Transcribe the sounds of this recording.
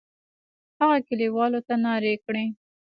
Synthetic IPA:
haɣakɪliwɑlot̪anɑɾekɽe

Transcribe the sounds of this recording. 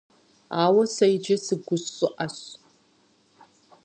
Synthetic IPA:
aːwɐsɐjd͡ʒɐsɨɡʷʊɕʊʔaɕ

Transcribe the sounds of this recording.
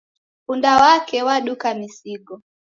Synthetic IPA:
kundawakɛwaɗukamisiɡɔ

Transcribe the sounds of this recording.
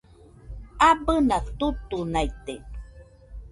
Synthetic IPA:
abənat̪ut̪unajt̪e

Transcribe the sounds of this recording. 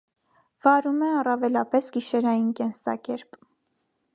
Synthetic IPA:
vɑɾumɛɑrɑvɛlɑpɛsɡiʃɛɾɑjinkɛnsɑ̰kɛɾp

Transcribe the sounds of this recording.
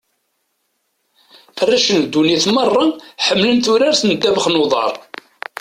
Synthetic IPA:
ərːæʃənd̪ːuniθmərˤːɑħəmːlənθʊɾaɾθənd̪ːævəχnoðˤɑ̰ɾˤ

